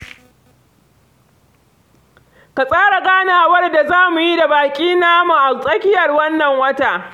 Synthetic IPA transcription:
ka˨sʼaː˦ɾa˨ɡaː˦naː˨wɐ˦rda˨zaː˦mu˨ji˦da˨baː˨kʲʼiː˦naː˦mu˨ʔa˨sʼɐ˦kʲɪ˦jɐ˨rwɐ˦nːɐ˨ŋwɐ˦taː˨ʔ

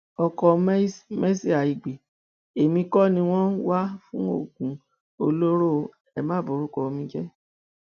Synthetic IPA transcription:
ɔ˨kɔ˨˦me˦si˦a˨i˨ɡ͡be˨ | e˨mĩ˧kɔ˦nĩ˧w̃ɔ̃˦wa˦fũ˦o̰˦˨ɡũ˨˦ | o˧lo˦ɾo˦˧ | ɛ˨mã˦˨bo˨˦ɾu˦kɔ˧o˧mĩ˧d͡ʒɛ˦

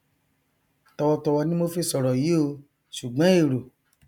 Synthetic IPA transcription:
tɔ˧wɔ˧tɔ˧wɔ˧nĩ˦mo˧fe˧sɔ˨ɾɔ˨ji˨˦o˧ | ʃu˨ɡ͡bɔ̃˨˦e˦˨ɾo˨

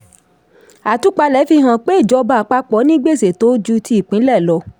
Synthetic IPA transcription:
a˨tu˨˦k͡pa˧lɛ˨˦fi˧ɦã˨k͡pe˦i˦˨d͡ʒɔ˧˦ba˧˨k͡pa˧k͡pɔ˨˦nĩ˦ɡ͡be˦˨se˨to˨˦d͡ʒu˧ti˧i˦˨k͡pĩ˨˦lɛ˦˨lɔ˨˦

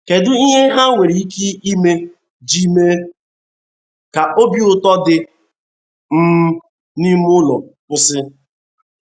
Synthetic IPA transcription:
ke˨dʊ˦i˦ɦe˦ɦa˦ŋʷe˨ɾi˨i˦ki˦i˦me˦ | d͡ʒi˦me˦ | ka˨ʔo˦bi˦ʊ˨tɔ˦dɪ˨ | m̩˦ | ni˦mʊ˦lɔ˨pʊ˦sɪ˦

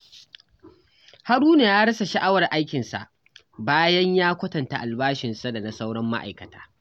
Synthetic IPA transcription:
ha˦ɽuː˦ne˨jaː˦ɽɐ˦sa˨ʃɐ˦ʔa˦wɐ˨rʔa˦jkʲɪ˨nsa̰˨ʔ | baː˦jɐ˦ɲjaː˦kʷɐ˦tɐ˨nta˨ʔa˨lbaː˦ʃɪ˨nsa˦da˨na˨sa˦wɽɐ˦mːa̰˦ʔa̰˨jkɐ˨tʰḁː˦

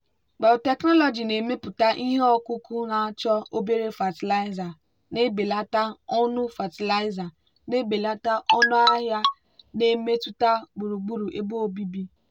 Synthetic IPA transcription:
ɡ͡ba˨tɛ˨knɔ˦lɔ˨d͡ʒi˨ne˨me˦pʊ˨ta˦ʔi˦ɦe˦ɔ˦ku˦ku˦na˦t͡ʃɔ˦o˦be˦ɾe˦fa˨ti˨la˦ɪ˦za˨ | ne˦be˨la˦ta˦ɔ˦nʊ˦fa˨ti˨la˦ɪ˦za˨ | ne˦be˨la˦ta˦ʔɔ˦nʊ˦a˦ɦja˦ | ne˨me˦tu˦ta˦ɡ͡bu˨ɾu˨ɡ͡bu˨ɾu˨ʔe˦bu˦o˦bi˦bi˦

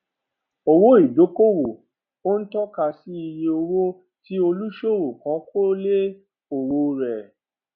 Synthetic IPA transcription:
o˧wo˦i˦˨d͡ʒo˨˦ko˦wo˨ | o˦n̩˦tɔ˦ka˧si˦i˧je˧o˧wo˦ | ti˦o˧lu˦ʃo˦˨wo˨kɔ̃˨˦kʰo˦le˦ | o˨wo˧ɾɛ˨

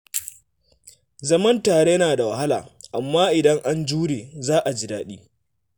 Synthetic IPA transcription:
zɐ˦mɐ˦ntaː˨ɽe˦jɐ˦naː˨da˨wa˨ha˦laː˨ʔa˨mːaː˦ʔɪ˨dɐ˦ŋʔa˦nd͡ʒuː˦ɽeː˨zaː˦ʔa˨d͡ʒi˦daː˦ɗḭː˦

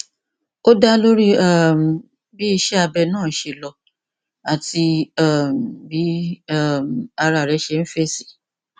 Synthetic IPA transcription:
o˦da˦lo˦ɾi˦a˦˨m˨ | bi˦i˧ʃɛ˦a˧bɛ˧nãː˦˨˦ʃe˧˨lɔ˧ | a˨ti˧a˦˨m˨bi˨˦a˦˨m˨a˧ɾa˨ɾɛ˨˦ʃɛ˧n̩˦fe˦si̥˦

